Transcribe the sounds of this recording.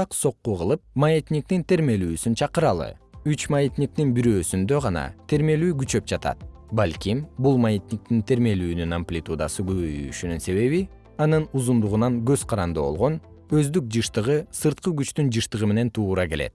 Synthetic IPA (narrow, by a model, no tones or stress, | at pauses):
ɑqso̞qːuʁɯlˠɯp̚majet̪nʲik̚t̪int̪e̞ɾme̞lyːsynt͡ʃʰɑqɯɾɑlˠɯ̰ | yt͡ʃmajit̪nʲik̚t̪inbiɾø̞ːsynd̪ø̞ʁɑnɑ̰t̪ʰe̞ɾme̞lyːɡyt͡ʃø̞p̚d͡ʒɑt̪ɑ̰t̪ | balʲkʲimbulˠmajet̪ʲnʲik̚t̪int̪ʰe̞ɾme̞lyːnynamplʲit̪ud̪ɑ̰sɯɡyβøjyʃynynse̞βe̞βi | ɑnɯnuzund̪uʁunɑnɡø̞zqʰɑɾɑnd̪ɯbo̞̰lˠʁo̞n | øzd̪yk̚d͡ʒɯʃt̪ɯʁɯsɯɾt̪̚qɯɡyt͡ʃt̪ynd͡ʒɯʃt̪ɯʁɯme̞ne̞nt̪ʰuːɾɑke̞le̞̰t̪̚